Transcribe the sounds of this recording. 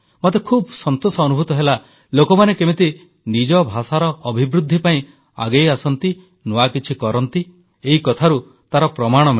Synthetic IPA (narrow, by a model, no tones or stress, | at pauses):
mɔt̪ekʰubsɔnt̪osɔːnubʱut̪ɔɦela | lokɔmanekebet̪i | nid͡ʒɔbʱasaɾɔːbʱibɾud̪ʱːipaĩ | a̰ɡejasɔnt̪i | nuwakit͡ʃʰikɔɾɔnt̪i | eikɔt̪ʰaɾu | t̪aɾɔpɾɔmaɽ̃ɔmi